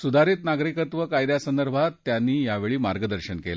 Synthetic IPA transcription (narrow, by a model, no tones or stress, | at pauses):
sud̪ʱaɾiːt̪naɡɾikət̪ʋəkajd̪jasənd̪əɾbʱat̪ːjanːiːjaʋeɭiːmaɾɡəd̪əɾɕənkela